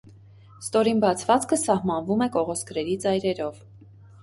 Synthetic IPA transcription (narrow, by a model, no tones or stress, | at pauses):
st̪ɔɾinbɑt͡sʰvɑt͡skʰəsɑhmɑnvumɛkɔʁɔskɾɛɾit͡sɑjɾɛɾɔv